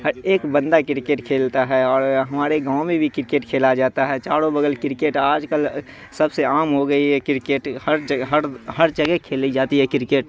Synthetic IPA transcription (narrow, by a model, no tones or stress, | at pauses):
ɦəeːkbə̃nd̪akɪɾɪkeːʈkʰeːlt̪aɦɛɔːɾɦɐmaːɾeɡãːʊ̃mẽbʱikɪɾɪkeːʈkʰeːlad͡ʒaːt̪aɦɛt͡ʃaːɽõbəɡəlkɪɾɪkeːʈaːd͡ʒkəl | sɐbseaːmɦoɡəiɦɛkɪɾkeːʈhəɾd͡ʒəɦəɾhɐɾd͡ʒəɡɛkʰeːlid͡ʒaːt̪iɦɛkɪɾɪkeːʈ